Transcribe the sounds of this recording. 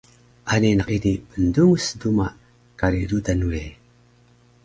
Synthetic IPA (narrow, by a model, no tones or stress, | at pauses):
ʔaninakinipənduŋsəduma | kaɾidudanue